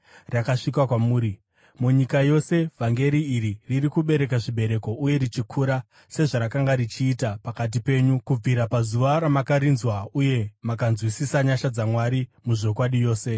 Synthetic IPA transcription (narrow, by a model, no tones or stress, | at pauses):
rakaʂikwakwamuːɾi | muɲikajo̞se̞v̥ʱaŋɡe̞ɾiːɾiririkuɓe̞ɾe̞kaʐiɓe̞ɾe̞ko̞ʔuje̞ɾit͡ʃikʰuɾa | se̞ʐaɾakaŋɡaɾit͡ʃiːtapakat̬ipe̞ːɲukub͡viɾapazuʋaɾamakaɾinzwauje̞makanzwisisaɲaʃad͡zamwaɾimuʐo̞kwaɗijo̞ːse̞